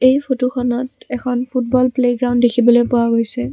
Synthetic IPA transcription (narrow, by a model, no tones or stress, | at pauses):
ejpʰotoxʰɔnɔtɛkʰɔnpʰut̚bɔlpleɡɹawnddekʰibɔlojpʊwaɡojsɛ